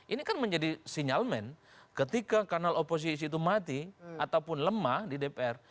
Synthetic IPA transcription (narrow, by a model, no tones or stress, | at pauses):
ʔinikanməɲd͡ʒadisiɲalmɛn | kət̪ikakanalopos̬is̬iːt̪umat̪iat̪aupʊnləmahdidepeɛr